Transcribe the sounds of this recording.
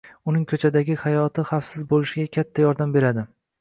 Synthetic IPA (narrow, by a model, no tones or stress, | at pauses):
ʊnɪŋkʰɵt͡ʃʰad̪aɡʲɪhajɒt̪ʰɪχafsɪzbolɪʃɪɡʲakʲʰat̪ʰːajɒɾd̪ambe̞ɾad̪ɪ